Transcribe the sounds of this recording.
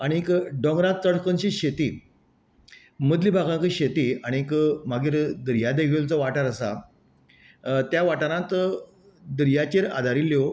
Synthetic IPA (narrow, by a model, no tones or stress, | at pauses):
aɽ̃ikɖɔ̃ŋɡɾãt̪̚t͡səɽkənɕiɕet̪iː | məd̪libʱaɡãŋkiɕet̪iːaɽ̃ikmaɡiːɾd̪əɾjad̪ekʰelt͡sɔʋaʈaɾəsa̰ | t̪jaʋaʈanãt̪ | d̪ɾjat͡ɕeɾa̰d̪ʱaɾilːjo